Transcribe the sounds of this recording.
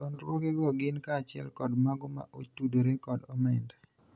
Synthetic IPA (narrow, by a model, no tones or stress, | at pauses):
onɾwokeɡɔɡɪnkaːt͡ʃɪɛ̰lkɔdmaɡɔma̰ʔotudoɾekɔdɔmɛnda